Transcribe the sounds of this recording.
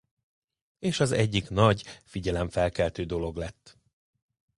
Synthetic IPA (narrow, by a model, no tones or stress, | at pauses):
eːʃɒzɛɟːiknɒɟfiɟɛlɛɱfɛlkɛlt̪øːd̪o̞lo̞ɡlɛt̪ː